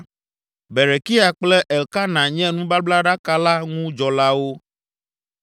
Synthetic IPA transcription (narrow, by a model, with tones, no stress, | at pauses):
be˨ɾe˨ki˦a˨k͡plɛ˦ʔɛ˨lka˦nã˨ɲɛ̃˦nũ˦ba˦bla˦ɖa˦ka˦la˦ŋũ˦d͡ʒɔ˨la˦wo˦